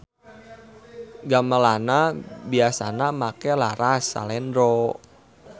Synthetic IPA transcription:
ɡamalanabiasanamakɛlaɾasa̰lɛndɾɔ

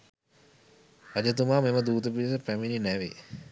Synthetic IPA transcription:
ɐd͡ʒət̪̬umaːmeməd̪uːt̪əpilisəpæmininæʋḛ

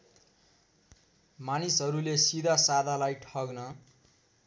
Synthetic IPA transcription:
manisɦʌɾulesid̪ʱasad̪ʱalajʈʰʌɡnʌ

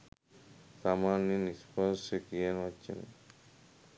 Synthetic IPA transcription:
samaninispɔnsekienɔtt͡ʃʰḛn̰

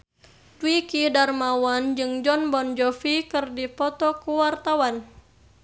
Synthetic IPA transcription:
twikidarmawand͡ʒɨŋd͡ʒɔnbɔnd͡ʒɔfikɨrdipɔt̪ɔkuwart̪awan

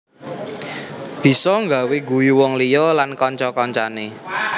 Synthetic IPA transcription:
b̥i̤sɔŋɡa̤weɡujuwɔŋlijɔlankɔɲt͡ʃɔkɔɲt͡ʃane

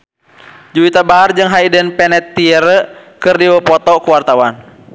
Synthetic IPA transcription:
d͡ʒuit̪abaɦard͡ʒɨŋɦaidənpɛnɛt̪ːiɛɾəkɨrdiwəpɔt̪ɔkuwart̪awan

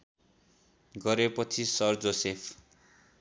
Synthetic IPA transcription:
ɡʌɾepʌt͡sʰisʌrd͡zosepʰ

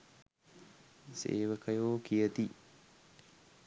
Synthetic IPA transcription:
sḛːʋəkəjoːkijət̪i

